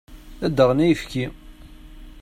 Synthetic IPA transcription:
æd̪ːəʁnæjəfki

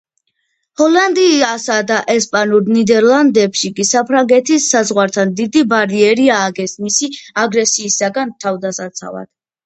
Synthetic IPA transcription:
hɔland̪iːasad̪aʔɛspʼanuɾnid̪ɛɾlˠand̪ɛpʃikʼisapʰɾaŋɡɛt̪ʰisazʁwaɾt̪ʰand̪id̪ibaɾiɛɾiaːɡɛsmisiaɡɾɛsiːsaɡant̪ʰavd̪asat̪sʰa̰va̰d̪̥

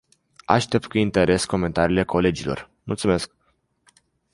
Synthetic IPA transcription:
a̰ʃt̪e̞p̚t̪̚kuint̪e̞ɾʔe̞sko̞me̞nt̪aɾiːle̞kʰo̞le̞d͡ʒilo̞̰r | mult̪sume̞sk̚

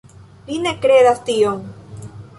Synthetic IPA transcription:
vinekɾeðast̪iom

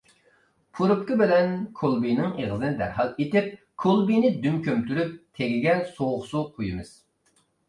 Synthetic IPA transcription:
pʰuɾup̚kʲɪbɪlɛnkʰolˠbijnɪŋeʁəzɨnɪd̪æ̰ɾɦɑlˠet̪ɪp̚ | kʰolˠbijnɪd̪ymkʲømt̪yɾyp̚t̪ʰeɡʲiɡʲɛnsoχsuqʰojɨmɨz̥

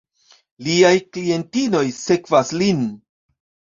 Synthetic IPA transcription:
liajklie̞ntino̞jse̞kvaslin

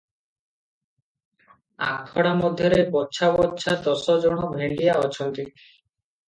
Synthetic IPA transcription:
a̰kt̪ʰɔɽamɔd̪ʱjɔɾebɔtːʃʰabɔtːʃʰad̪ɔsɔd͡ʒɔɽ̃ɔbʱeɳɖijaɔt͡ʃʰɔnt̪i

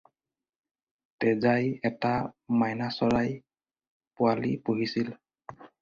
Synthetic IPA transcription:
tɛzajɛtamajnasɔɹaj | pʊalḭpoɦisil

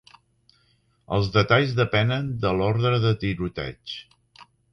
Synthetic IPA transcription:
ə̰lˠzðət̪aʎzðəpɛnənd̪əlɔɾðɾəðət̪iɾut̪ɛ̰t͡ʃ

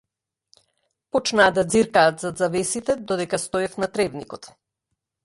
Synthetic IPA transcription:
pɔt͡ʃnaːd̪ad̪ziɾkaːt̪zad̪zavɛsit̪ɛd̪ɔd̪ɛkast̪ɔɛfnat̪ɾɛvnikɔt̪

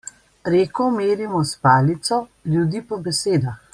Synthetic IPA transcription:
ɾeːkɔmeːɾimɔspaːlit̪sɔljud̪iːpɔbɛseːd̪ax

